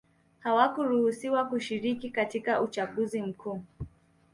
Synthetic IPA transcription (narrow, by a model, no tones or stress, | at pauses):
hawakuɾuhusiwakuʃiɾikikatikaʔut͡ʃaɠuzim̩kʰuː